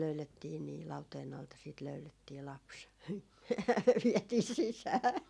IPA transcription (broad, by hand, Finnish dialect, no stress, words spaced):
løyletːiː niː lɑuteːn ɑltɑ siːt løyletːiː lɑps ʋiɛtiː sisæː